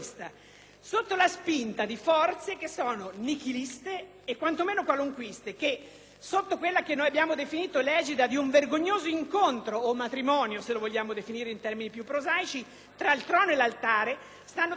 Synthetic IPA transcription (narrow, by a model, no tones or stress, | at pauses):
st̪a | sot̪ːolaspint̪ad̪ifɔrt̪sek̟esːɔːnonikilist̪eː | kːwant̪omeːnokwaluŋkwist̪ek̟e | sot̪ːokwelːakenːoːjabːjaːmod̪efiniːt̪olɛːd͡ʒid̪ad̪iuɱverɡoɲːoːzoiŋkont̪ɾoːmːat̪ɾimɔːnjoselovoʎːaːmod̪efiniːɾeint̪ɛrminipjupːɾozaːjt͡ʃi | t̪ɾailt̪ɾɔːnoelːalt̪aːɾe | st̪anːo